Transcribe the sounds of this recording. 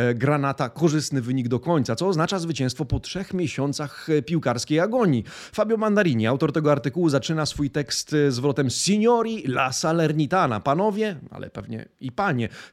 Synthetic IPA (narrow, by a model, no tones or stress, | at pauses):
ɡɾanat̪akɔʐɘst̪nɘvɘɲiɡd̪ɔkɔɲt̪sat̪sɔːznat͡ʂazvɘt͡ɕɛ̃st̪fɔpɔtʂɛxmʲjɛɕɔnt̪saxpʲiwkaɾskʲejaɡɔɲi | fabʲjɔmand̪aɾʲiɲiawt̪ɔɾt̪ɛɡɔaɾt̪ɘkuwuzat͡ʂɘnasfujt̪ɛkst̪zvɾɔt̪ɛmssʲiɲɔɾʲilasalɛɾɲit̪ana̰panɔvʲjɛa̰lʔɛ̰pɛvɲɛ̰ipaɲɛ